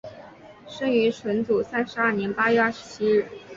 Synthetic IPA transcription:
ʂɤ˥ŋy˧˥ʈ͡ʂʰwə˧˥nt͡su˨˩sa˥nʂɻ̩˧˥ɐ˞˥˩njɛ˧˥npa˥ɥɛ˥˧ə˥˩ʂɻ̩˧˥t͡ɕʰi˥ɻ̩˥˩

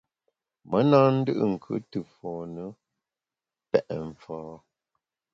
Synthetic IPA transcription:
mə˦naː˦n̩˦dɨ̰˦ʔɨ˦ŋ̩˨kʰʉ̰˦tɨ˨fɔː˨nə˦ | pɛ˦˨ʔɱ˨fɔː˨˦

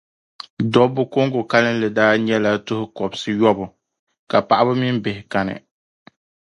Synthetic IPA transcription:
dɔ˦bʊ˦ko˦ŋɡʊ˨ka˦lɨ˦n˦lɨ˨daː˦ɲɛ˦la˦tʊ˦hʊ˦kɔ˨bsɨ˦jɔ˦bʊ˨ | ka˨pa˨ʔa˦bʊ˦mɪ˦m˦bɪ˨hɪ˨ka˨nɨ̰˨

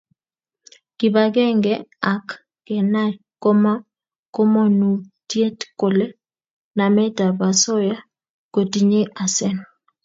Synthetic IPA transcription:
ki˨ba˨ɡɛ˦ŋɡɛ˦a˨kː | ɛ˨na˦ | ko˦ma˦ | ko˦mo˦nu˨tje˦tko˨le˦ | na˨mɛ˦ta˨ba˨sɔ˦ja˦ | ko˨ti˦ɲe˦ʔa˨sɛ˦n

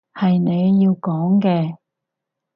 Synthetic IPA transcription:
hɐ˨jne˨˧jːiː˧wkɔː˨˥ŋkɛː˧

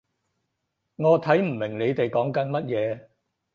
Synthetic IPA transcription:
ŋɔː˨˧t̪ʰɐ˨˥jm̩˨˩mɪ˨˩ŋle˨˧jt̪e˨jkɔː˨˥ŋkɐ˨˧nmɐ˥t̚jɛː˨˧

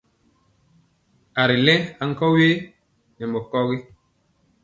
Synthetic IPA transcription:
a˨ɾi˨lɛ̃˦a˨ŋ̩˦kɔ˦we˦ | nɛ˨mɔ˨kɔ˦ɣi˦

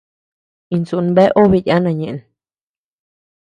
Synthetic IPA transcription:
i˧nsu˧˨nbe˦ʔo˦βi˧˨ʔa˦nã˧˨ɲẽ˨n

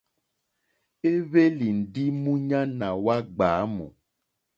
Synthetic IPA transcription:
e˦βe˦li˨n̩˨ɖi˦mũ˦ɲã˦nã˨wa˦ɡ͡baː˨˦mṵ̃˨

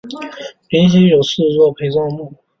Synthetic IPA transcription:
pi˧˥nɕ̬i˥njo˨˩ʊsɹ̩˥˧t͡swɔ˥˧˩pʰe˧˥ɪt͡swɑ˥˧ŋmu˥˩

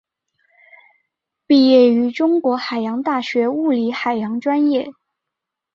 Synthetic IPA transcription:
pi˥˧jɛ˥˩y˧˥ʈ͡ʂʊ˥ŋkwɔ˧˥xa˨˩ɪjɑ˧˥ŋt̪a˥˩ɕɥɛ˧˥u˥˩li˧˥xa˨˩ɪjɑ˧˥ŋʈ͡ʂwa˥njɛ˥˩

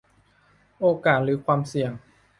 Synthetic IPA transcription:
ʔoː˧kaː˨˩t̪̚ɾɯː˩˦kʰwaː˧msi˨˩əŋ

